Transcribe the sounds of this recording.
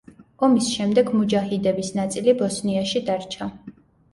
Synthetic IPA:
ɔmisʃɛmd̪ɛɡmud͡ʒahid̪ɛbisnat̪sʼilibɔsniaʃid̪aɾt͡ʃʰa

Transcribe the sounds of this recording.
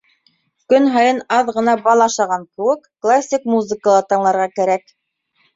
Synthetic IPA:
kɵnɦɑjɤnɑðʁɤ̆nɑbɑlˠɑʃɑʁɑŋkɘ̆wɘkːlˠasʲːikmuzɘ̆kəlˠɤt̪ɑ̆ɴlˠɑɾʁɑkæɾæk

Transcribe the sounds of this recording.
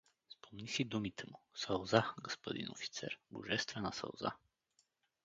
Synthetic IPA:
spomnisid̪umit̪ʰɛmʊsɐlˠzaɡospod̪ḭno̰fi̥t̪sɛ̰ɾbo̰ʒɛst̪vɛnasɐ̰lˠza̰

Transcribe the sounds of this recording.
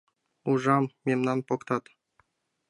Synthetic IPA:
uʐammʲemnanpɔkt̪at̪

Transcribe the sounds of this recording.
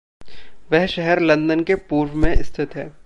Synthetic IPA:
ʋɛɦʃɛɦɛɾlɐ̃nd̪ənkepuːɾwmẽʔɪst̪ʰɪt̪ɦɛː

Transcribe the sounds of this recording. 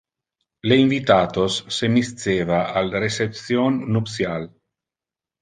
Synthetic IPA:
leiɱvit̪aːt̪osːemist̪seːvaʔalresep̚sjonːupsjal

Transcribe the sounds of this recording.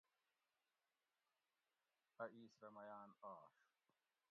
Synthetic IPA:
ɐʔiːsɾɐmɐjaːnaːʂ

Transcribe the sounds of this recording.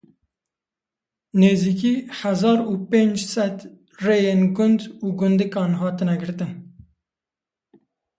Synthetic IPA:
neːziːkiːhæzɑːɾuːpeːnd͡ʒsɛt̪ | rejenɡʊnd̪uːɡʊnd̪ɨkɑːnɦɑːt̪ɨnɛɡɨɾt̪ɨn

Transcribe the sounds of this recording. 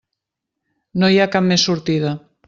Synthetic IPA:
nojakammːesuɾt̪iða

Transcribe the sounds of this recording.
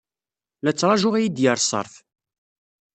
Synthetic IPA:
læt͡sːɾˤɑʒʊʁæjid̪jəɾˤsˤə̰ɾˤθ

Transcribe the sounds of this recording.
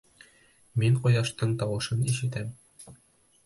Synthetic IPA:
miɴqŏjɑʃt̪ɤɴt̪ɒwɤ̆ʃɤniʃɘ̆t̪æm

